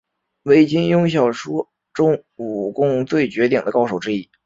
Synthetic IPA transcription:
we˥˩ɪt͡ɕi˥ŋjʊ˥ŋɕjɑ˥˩ʊʂwɔ˥ | ʈ͡ʂʊ˥ŋu˨˩kʊ˥ŋt͡swe˥˩ɪt͡ɕɥɛ˧˥t̪i˨˩ŋd̪ə˦kɑ˥ʊʂu˨˩ʊʈ͡ʂɻ̩˥i˥˩

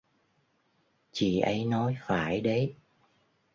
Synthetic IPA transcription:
t͡ɕḭ˧˨ʔə˨˦jnɔ˨˦jfaː˧˩˦jɗə˨˦j

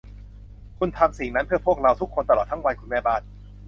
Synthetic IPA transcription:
kʰu˧nt̪ʰa˧msi˨˩ŋna˦˥npʰɯ˥˩əpʰu˥˩ək̚ɾa˧wt̪ʰu˦˥kʰːo˧nt̪a˧lɔː˨˩t̪ːʰa˦˥ŋwa˧nkʰu˧nmɛː˧˩baː˥˩n̚

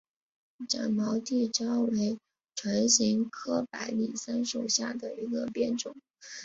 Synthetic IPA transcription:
ʈ͡ʂa̰˨˩nmɑ˧˥ʊt̪i˥˩ʈ͡ʂjɑ˥ʊwe˧˥ɪ | ʈ͡ʂʰwa˧˥nɕi˧˥ŋkʰɤ˥pa˧˥ɪli˨˩sa˥nʂu˨˩ɕja̰˥˩d̪ə˩i˧˥ɡə˧pjɛ˥˩nʈ͡ʂʊ˨˩˦ŋ

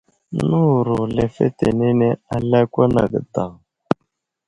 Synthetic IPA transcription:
nu˦˨ɾu˨lɛ˨fɛ̰˦tḛ˨nɛ˦nɛ˦a˦la˦kʷa˦na̰˨ɡə̰˨d̪a˨

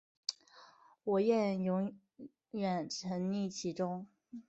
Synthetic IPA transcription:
wɔ˨˩jɛ˥˩njʊ˧˥ŋ | ɥɛ˨˩nʈ͡ʂʰə˧˥nli˥˩t͡ɕʰi˧˥ʈ͡ʂʊ˥ŋ

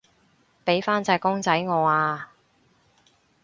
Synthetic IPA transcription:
pe˨˥jfaː˥nt͡sɐː˧kʊ˥ŋt͡sɐ˨˥jŋɔː˨˧aː˧

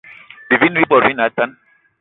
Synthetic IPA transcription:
bi˨vi˦nwi˦bɔ˨ɾwi˦na˨˦tã˦n

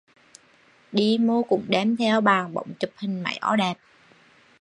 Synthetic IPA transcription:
ɗi˧mo˧kʊ̰˧˥ŋ͡mɗɛ˨˧˩mt̪ʰɛ˧wɓaː˨˩ŋɓə̰˧˨wŋ͡mt͡ɕu˨˩p̚hï˨˩ŋ̟ma̰˧˩˦jʔɔ˧˩ɗɛː˨˩p̚

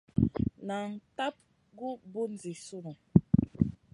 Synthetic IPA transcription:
na˨n̩˨ta˦p̚ | ɡu˦bu˦n˨d͡zi˨su˦nu˨

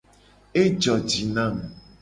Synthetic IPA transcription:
e˦d͡ʒɔ˨d͡ʒi˨nã˦˨m˨

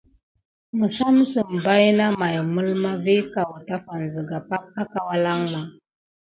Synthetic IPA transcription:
ŋə˨sa˦m˦sə˨m˨ba˦jna˦ma˨jmə˦lma˦vi˦ka˨wta˦fa˨n˨zə˨ɡa˨pa˦k̚a˦ka˦wa˦la˦ŋma˨

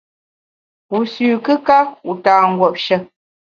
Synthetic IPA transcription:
u˨sʉː˨kɨ˦ka˦u˨taː˨ŋ̩˦ɡwɔ˨p̚ʃə˦

